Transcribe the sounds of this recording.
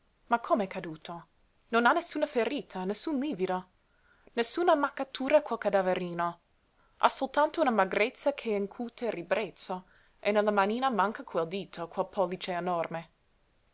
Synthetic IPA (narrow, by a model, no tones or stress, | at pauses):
makʰːomeɛkad̪uːt̪ʰo | nonanesːuːnafeɾiːt̪ʰanesːunliːvid̪o | nesːuːnamakːat̪uːɾakwelkad̪aveɾiːno | ʔa̰solt̪ant̪ounamaɡɾet̪sːakʰeːŋkʰuːt̪ʰeribɾet̪so | ʔenɛlːamaniːnamaŋkakʰweld̪iːt̪ʰokʰwelpʰɔlːit͡ʃeːnorme